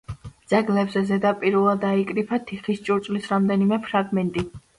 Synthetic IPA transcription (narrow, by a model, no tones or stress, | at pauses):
d̪z̥aɡlɛbzɛzɛd̪apʼiɾvɛlˠad̪aikʼɾipʰat̪ʰiχist͡ʃʼuɾt̪sʼlisɾamd̪ɛnimɛpʰɾaɡmɛnt̪ʼi